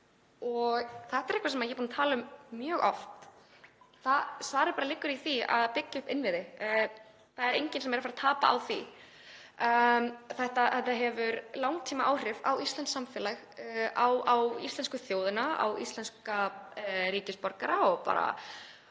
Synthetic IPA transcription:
ɔɣθɛht̪aɛɾɛhkvas̬ɛmaðjɛpuːnt̪ʰaːlʏmːjœːɣɔ̰ft̪ | θaðsvaːɾɪɾpaːɾalɪkːʏɾiθia̰ðpɪcːaʏhpɪnvɪðɪ | θaɛɾejɲcɪnsɛmeːɾafaɾat̪ʰaːpa̰a̰wθi | θɛht̪aθɛht̪aɦɛvʏɾlawŋt̪ʰiːmaʔaːwr̥ɪvawist̪lɛnsamfɛːlaɣ | awawḭst̪ɛnskʏθjoːwðɪnaa̰wḭst̪lɛnska | ɾiːcɪspɔɾkaɾaɔɣpa̰ːɾa̰

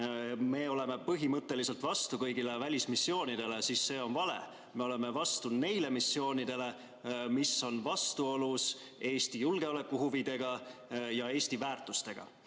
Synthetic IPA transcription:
me̞ːo̞le̞me̞pɤɦimɤt̪ːe̞lise̞lt̪vɑst̪ukɤ̞jɡilevælʲismisːjo̞ːnid̪̥e̞le̞sisːe̞ːo̞nvɑle̞̰ | me̞o̞le̞me̞vɑst̪une̞jle̞misːjo̞ːnid̪e̞le̞ | misːo̞nvɑst̪uo̞lus | e̞ːst̪ijulɡ̥e̞ole̞kːˑuhuvid̪̥e̞ɡ̥ɑjɑe̞ːst̪ivæːrt̪ˑust̪e̞ɡ̥ɑ̰

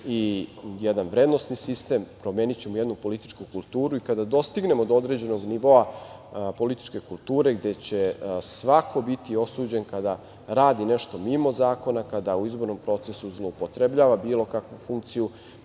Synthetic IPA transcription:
ijed̪anʋɾed̪nosnisist̪eːmpɾomeːnit͡ɕe̞mojed̪nupo̞lit̪i̥t͡ʃkukulˠt̪uːɾuikad̪ad̪o̞st̪iɡne̞mod̪ood̪ɾe̞d͡ʑe̞no̞ɡniʋo̞apo̞lit̪i̥t͡ʃke̞kulˠt̪uːɾe̞ɡd̪e̞t͡ɕesʋakʰo̞bit̪io̞suːd͡ʑe̞nkad̪a | ɾaːd̪ineʃt̪o̞mimo̞zaːko̞nakad̪auizbo̞ɾno̞mpɾo̞t̪sesuzlˠoːpot̪ɾe̞bʎaːʋabiːlo̞kakʋufuŋk̚t̪siju

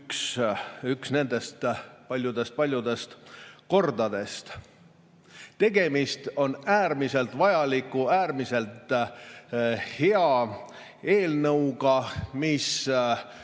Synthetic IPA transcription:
ksyksne̞nd̪̥e̞st̪pɑlʲjud̪̥e̞st̪̚pɑlʲjud̪̥e̞st̪ko̞rd̪ɑd̪̥e̞st̪ | t̪e̞ɡ̥e̞mist̪o̞næːɾmise̞lt̪vɑjɑlikːˑuæːɾmise̞lt̪ˑ | he̞ɑ | e̞ːlnɤwɡ̥ɑmis

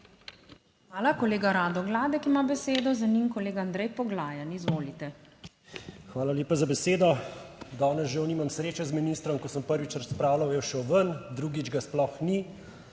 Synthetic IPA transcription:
xʋaːlakɔleːɡaɾaːd̪ɔɡlaːd̪ɛkimabɛseːd̪ɔzaniːŋkɔleːɡaand̪ɾɛjpɔɡlaːjanizʋoːlit̪ɛ | xʋaːlaljeːpazabɛseːd̪ɔd̪ɔːnɛzʒɛwniːmamsɾeːt͡ʃazminist̪ɾɔmkɔsəmpəɾʋit͡ʃɾaspɾaːwlawjɛʃɛwʋənd̪ɾuːɡid͡ʒɡasplɔxni

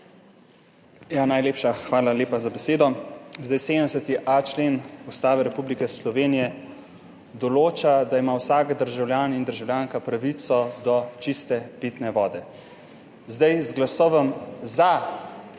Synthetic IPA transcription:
janajleːpʃaxʋaːlaleːpazabɛseːd̪ɔzd̪ajseːd̪əmsɛt̪iʔat͡ʃleːnust̪aːʋɛɾɛpublikɛslɔʋeːnijɛ | d̪ɔloːt͡ʃad̪aimawsaːkd̪əɾʒawlʲjaːnind̪əɾʒawljaːŋkapɾaʋit̪sɔd̪ɔt͡ʃist̪ɛpit̪nɛʋɔːd̪ɛ | zd̪ajzɡlasɔːʋɔmza

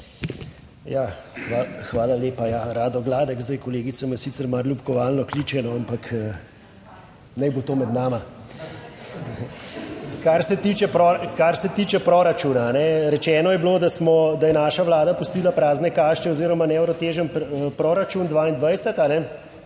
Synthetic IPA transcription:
jaːxaxʋaːlaleːpajaɾaːd̪ɔɡlaːd̪ɛkzd̪ɐjkɔleːɡit̪samjɛsiːt̪səɾmaɾlupkɔʋaːlnɔkliːt͡ʃɛnɔampakə | nɛjbot̪oːmɛd̪naːma | kaɾsɛt̪iːt͡ʃɛpɾokaɾsɛt̪iːt͡ʃɛpɾoɾat͡ʃuːnaːnɛɾɛt͡ʃɛːnɔjɛbloːd̪asmɔd̪ajɛnaːʃaʋlaːd̪apust̪iːlapɾaːznɛkaːʃt͡ʃɛoziːɾɔmanɛɛwɾɔt̪eːʒənpɾoɾat͡ʃund̪ʋaːind̪ʋajsɛt̪anɛ

